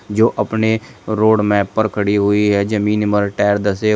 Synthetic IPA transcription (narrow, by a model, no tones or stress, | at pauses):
d͡ʒoːʔɐpneɾoːɖmɛːpːəɾkʰəɽiɦʊiɦɛd͡ʒəmiːnməɾɪʈaːɾd̪ɐse